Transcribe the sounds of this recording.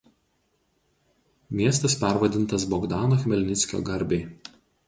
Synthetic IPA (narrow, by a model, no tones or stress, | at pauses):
mʲiɛst̪ɐspʲæˑɾʋɐd̪ʲɪnˑt̪ɐsbɔɡd̪ɑːnoːxʲɪmʲɛlʲnʲɪsʲkʲo̰ːɡɐɾʲbʲeɪ